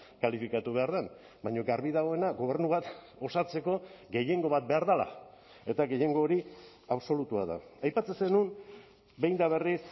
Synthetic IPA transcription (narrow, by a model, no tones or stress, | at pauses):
kalifikat̪uβe̞aɾðen | bajɲo̞ɡaɾβiðaɣ̞o̞e̞naɡo̞β̞e̞ɾnuβat̪ | o̞sat͡se̞ko̞ɡe̞je̞ŋɡo̞βat̪̚be̞aɾðala̰ | e̞t̪aɣe̞je̞ŋɡo̞ːɾi | aβso̞lut̪uaða̰ajpat͡sesenun | be̞jnd̪aβ̞e̞ris